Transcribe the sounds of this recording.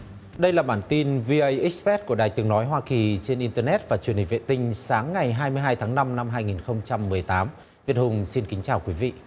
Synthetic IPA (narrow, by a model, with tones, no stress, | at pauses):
ɗə˧jlaː˨˩ɓaː˧˩nt̪i˧nvi˧ʔə˧jʔi˦˥k̚sfɛ˦˥t̚ku˧˩əɗaː˨˩jt̪ɨ˨˩əŋnɔ˨˦jɦwaː˧ki˨˩t͡ɕe˧nʔi˧nt̪əː˧nɛ˦˥t̚vaː˨˩t͡ɕwənhï˨˩ŋvḛ˧˨t̪ï˧ŋ̟saː˨˦ŋːa˨˩jɦaː˧jmɨ˧əjɦaː˧jt̪ʰaː˨˦ŋna˧mna˧mɦaː˧jŋi˨˩nxə˧wŋ͡mt͡ɕa˧mːɨ˨˩əjt̪aː˨˦m | vi˨˩ət̚hʊ˨˩ŋ͡msi˧nkï˨˦ŋ̟t͡ɕaː˨˩wkwi˨˦vḭ˧˨